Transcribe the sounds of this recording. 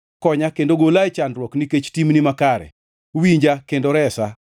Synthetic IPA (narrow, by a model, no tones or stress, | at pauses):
kɔɲakendoɡolajt͡ʃandɾwɔkniket͡ʃtimnimakaɾɛ̰ | wiɲd͡ʒakendoɾɛsa